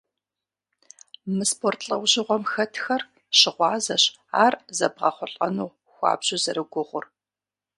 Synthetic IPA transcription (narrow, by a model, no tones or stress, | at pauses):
mɨspʰoːrtʰɬʼɐwʑɪʁʷɔmxɐtʰxɐr | ɕɪʁʷɑːzɐɕ | aːrzɐbʁɐχʷʊɬʼɐnuː | xʷɑ̰ːbʑɪzɐɾɨɡʷʊʁʷʊr